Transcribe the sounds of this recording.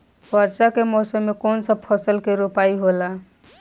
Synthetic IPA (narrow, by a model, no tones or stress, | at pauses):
bəɾsakemɔsəmːekonsəb̚pʰəsəlkeɾopaiɦola